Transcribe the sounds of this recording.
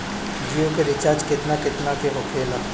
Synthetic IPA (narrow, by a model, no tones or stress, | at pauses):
d͡ʒiokeɾɪt͡ʃaːd͡ʒkɪt̪nakɪt̪nakeɦʊkʰeːla